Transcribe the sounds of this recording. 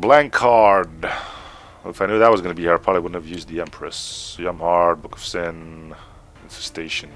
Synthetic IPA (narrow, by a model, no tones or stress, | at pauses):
blæ̃ŋkʰɑɹd | ɪfaɪnʉðət̚wʌzɡʌnɨbihiɹapʰɹ̥ɑbliwʊdⁿn̩thɨvjʉzd̪̚ðiɛ̃mpʰɹ̥ɨsjʌ̃mhɑɹd̚bʊkʌv̥sɪ̃ñ | nfɨ̥steɪʃɨ̃n